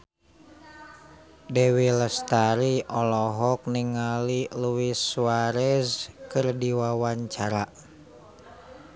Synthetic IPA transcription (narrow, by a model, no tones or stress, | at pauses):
dɛwiləst̪aɾiɔlɔɦɔk̚niŋaliluwiswaɾɛskɨrdiwawaɲt͡ʃaɾa